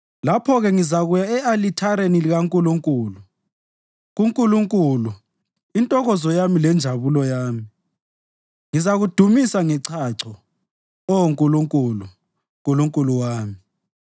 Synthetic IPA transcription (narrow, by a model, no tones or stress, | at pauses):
lapʰɔɣɛŋizaɣujaɛalitʰaɾeniliɣaŋkʼuluŋkʼuːlu | ɣuŋkʼuluŋkʼulu | intʼɔɣɔzɔjamilɛnd͡ʒʱaβulɔjaːmi | ŋizaɣud̥ʱumisaŋɛǀʰaǀʰɔ | ɔwoŋkʼuluŋkʼulu | ŋkʼuluŋkʼuluwaːmi